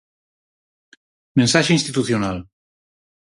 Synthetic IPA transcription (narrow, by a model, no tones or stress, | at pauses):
mẽnsaʃeinst̪it̪uθjonal